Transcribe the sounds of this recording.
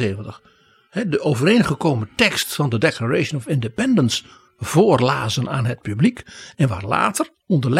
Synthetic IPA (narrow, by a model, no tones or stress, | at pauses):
ejvəntəχ | hɛdəʔowvərejnχəkowmətɛkstfɑndədeklaɹejʃənɔfɪndəpɛndəns | v̥oːrlaːzənaːnɦət̚pyblikɛnʋa̰ːɹla̰ːtər | ɔndərl